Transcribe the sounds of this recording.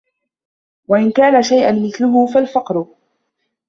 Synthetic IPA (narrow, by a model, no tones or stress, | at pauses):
waʔɪnkaːnaʃajʔanmɪθlʊɦʊfalfɑqɾʊ